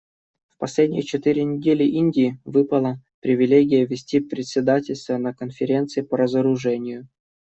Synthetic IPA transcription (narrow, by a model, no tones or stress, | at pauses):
fpɐsʲlʲedʲnʲɪ̰jət͡ɕɪt̪ɨɾʲɪnʲɪdʲelʲɪʔinʲdʲɪːvɨpəlˠəpɾʲɪvʲɪlʲeɡʲɪjəvʲɪsʲtʲipɾʲɪt̪ʲsʲɪd̪atʲɪlʲst̪vənəkənfʲɪɾʲe̞nt̪sɨɪpəɾəzəɾʊʐɛnʲɪjʊ